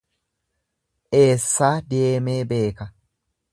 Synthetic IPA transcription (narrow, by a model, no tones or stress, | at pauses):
ʔeːsːad̪eːmebeːkɐ